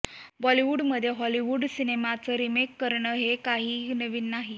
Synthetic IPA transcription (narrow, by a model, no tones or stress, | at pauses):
bɔliʋuːɖməd̪ʱːjeɦɔliʋuːɖsinemat͡səːɾimekːəɾɳəːɦekaɦiːnəʋiːnːaɦi